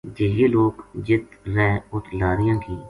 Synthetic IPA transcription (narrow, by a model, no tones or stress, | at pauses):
d͡ʒeːeːloːkd͡ʒɪt̪ɾɛːʊt̪ʰlaːɾɪjãːkiː